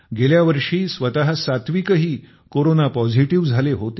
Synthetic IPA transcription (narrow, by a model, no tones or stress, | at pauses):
ɡeljaʋəɾʂiːsʋət̪aɦsat̪ʋikəɦiː | koɾonapɔd͡zʱiʈiʋd͡zʱaleɦot̪